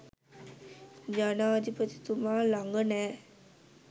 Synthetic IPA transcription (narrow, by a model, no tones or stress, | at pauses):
d͡ʒanad͡ʒipət̪i̥t̪umalaŋɡənɛ